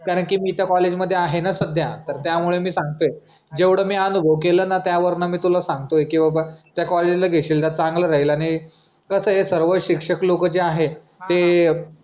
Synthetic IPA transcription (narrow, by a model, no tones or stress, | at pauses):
kaɾəɳkiːmiːt̪jakɔled͡ʑməd̪ʱːjeaɦenasəd̪ʱjat̪əɾt̪jamuɭemiːsãŋɡt̪oe | d͡ʑeʋɽəːmiːənubʱəʋk̬eləːnat̪jaʋəɾnamiːt̪ulasãŋɡt̪oekĩw̃ʋabat̪jakɔled͡ʑilaɡʱeɕiːlt̪at͡saŋɡlaɾaɦilaɽ̃i | kəsəɦesəɾʋəɕikʂəklokəd͡ʑeaɦe | t̪e